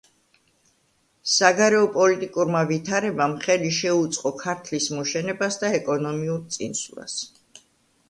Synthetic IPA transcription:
saɡaɾɛɔpʼɔlit̪ʼikʼuɾmavit̪ʰaɾɛbamχɛliʃɛut̪sʼqʼɔkʰaɾt̪ʰlismɔʃɛnɛbasd̪aɛkʼɔnɔmiuɾt̪sʼḭnslˠa̰s

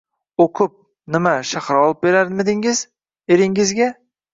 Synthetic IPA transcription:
okʰʊp̚ | nɪmaʃaχɾɒlˠɪp̚be̞ɾaɾd̪med̪ɪŋɪz | eɾɪŋɪzɡʲa

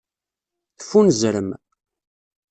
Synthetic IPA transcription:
θə̥fːunzɾəm

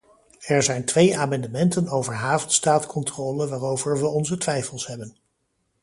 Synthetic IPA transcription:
ɛɹzɛjntʋejaːmɑndəmɛntənowvəɹɦaːvtstaːtkʰɔntroːləʋaːrowvəɹʋəɔnzətʋɛjfəlˠsɦɛbən

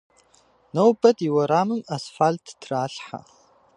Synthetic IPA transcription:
nowbɐtʼiwaɾamɨnasfaltʰdʰraːɬħa̰

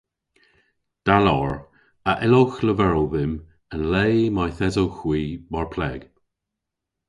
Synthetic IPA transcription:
d̪̥alɔɹ | əʔɪlowxləvɛɹowðɪm | ənleːmajθɛzowxwiːmaɹpʰlɛːɡ̥

